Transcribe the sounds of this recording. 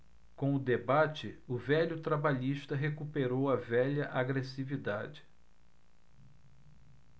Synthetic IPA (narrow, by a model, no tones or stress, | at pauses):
kõʊd̪ebat͡ʃɪʊvɛʎʊt̪ɾabaʎiʃt̪ɐɦekupeɾowɐvɛʎɐʔaɡɾesivid̪a̰d͡ʒɪ̥